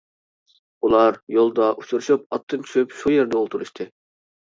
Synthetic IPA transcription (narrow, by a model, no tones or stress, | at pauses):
ulˠɑɾjolˠd̪ɑʔut͡ʃʰuɾuʃup̚ɑt̪ʰːɨnt͡ʃʰy̥ʃypʃujeɾd̪ɛolˠt̪ʰuɾuʃt̪ʰɨ